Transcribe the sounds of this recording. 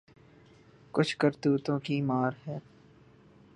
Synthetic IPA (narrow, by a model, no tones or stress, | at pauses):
kʊt͡ʃʰkɐɾt̪uːt̪õkimaːɾɦɛː